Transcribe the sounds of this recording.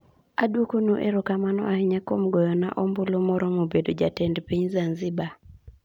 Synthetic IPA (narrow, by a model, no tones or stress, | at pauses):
adwokonuʔeɾokamanɔ̰ahɪɲakomɡɔjɔna̰ʔombʊlomɔɾɔmobedod͡ʒatɛndpiɲzanzɪba